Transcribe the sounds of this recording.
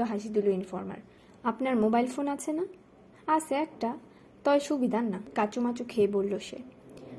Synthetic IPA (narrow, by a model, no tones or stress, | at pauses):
oɦaʃid̪uloinfɔɾma̰ɾ | apnaɾmobajlfonat͡ɕʰena | aʃeɛk̚ʈa | t̪ɔeʃubid̪ʱanːakat͡ɕomat͡ɕokʰeebolːoʃḛ